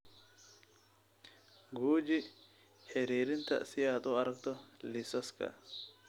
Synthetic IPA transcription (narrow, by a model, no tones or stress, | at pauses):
ɡuːd͡ʒɪ | hɛɾiːɾɪnt̪ɐ̰sɪjaːt̪ʼɔɐɾɐkt̪ɔlɪsɐskɐ̰